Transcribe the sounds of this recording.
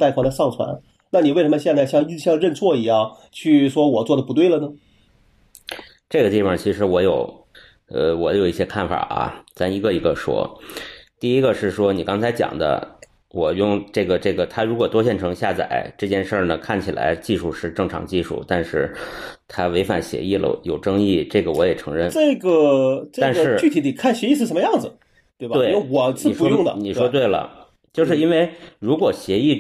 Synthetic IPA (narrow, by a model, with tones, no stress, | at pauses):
t̪ɪxwa˧˥la˧ɪɑ˥˩ŋt͡sʰwa̰˧˥n | na˥˩ni˨we˥˩ʂmə˧ɕjɛ˥˧nt͡sa˥˧ɪɕjɑ˥˧ŋi˥ɕjɑ˥˧ŋɻə˥˧nt͡sʰwɔ˥˩i˧˥jɑ˥˩ŋ | t͡ɕʰy˥˩ʂwɔ˥wɔ˨˩t͡swɔ˥˩d̪ə˩pu˧˥t̪we˥˩ɪlə˩nə˩ | ʈ͡ʂɤ˥˩ɡə˩t̪i˥˩fɑ˨˩t͡ɕʰi˧˥ʂɻ̩˧˥wɔ˧˥jo˨˧˩ʊ | ə˧wɔ˧˩˥jo˨˩ʊi˥˩ɕjɛ˥kʰa˥˩nfa̰˨˩ʔɐ̰˧˩t͡sa˥˩i˧˥ɡə˧i˧˥ɡə˧ʂwɔ̰˥ | t̪i˥˩i˥ɡə˧ʂɻ̩˥˩ʂwɔ˥ni˨˩kɑ˥ŋt͡sʰa˧˥ɪt͡ɕjɑ̰˨˩ŋd̪ə̰˦ | wɔ˨˩jʊ˥˧ŋʈ͡ʂɤ˥˩ɡə˩ʈ͡ʂɤ˥˩ɡə˩t̪ʰa˥ɻu˧˥kwɔ˨˩t̪wɔ˥ɕjɛ˥˩nʈ͡ʂʰɤ˧˥ŋɕja˥˩t͡sa̰˨˩˦ɪʈ͡ʂɤ˥˧t͡ɕjɛ˥˧nʂə˞˥˩nə˩kʰa˥˩nt͡ɕʰi˨˩la̰˧˥ɪt͡ɕi˥˧ʂu˥˧ʂɻ̩˥˧ʈ͡ʂɤ˥˩ŋʈ͡ʂʰɑ̰˧˥ŋt͡ɕi˥˧ʂṵ˥˩t̪a˥˧nʂɻ̩˥˩t̪ʰa˥we˧˥ɪfa̰˨˩nɕjɛ̰˧˥i˥˩lə̰˩jo˨˩ʊʈ͡ʂɤ˥ŋi˥˩ʈ͡ʂɤ˥˩ɡə˩wɔ˧˥jɛ˨˩ʈ͡ʂʰɤ˧˥ŋɻə˥˧nʈ͡ʂe˥˩ɡə˩ʈ͡ʂɤ˥a˩˥˧nʂə˨ɻ̩˥˧t͡ɕy˥˩t̪ʰi˧˥t̪i˨˩kʰa˥˩nɕjɛ˧˥i˥˧ʂɻ̩˥˩ʂə˧˥mə˧jɑ˥˩ŋd͡zɹ̩˩ | t̪we˥˩ɪbatwe˥˩ɪo˥˩wɔ˨˩t͡sʰɹ̩˥˨˩ʂu˧ɔ˥˦jʊ˥˩ŋd̪ə̰˧ni˨˩ʂwɔ˥t̪̬we˥˩ɪlə̰˩ | t͡ɕjo˥˧ʊʂɻ̩˥˩i˥nwe˥˩ɪɻu˧˥kwɔ˨˩ɕjɛ˧˥i˥˩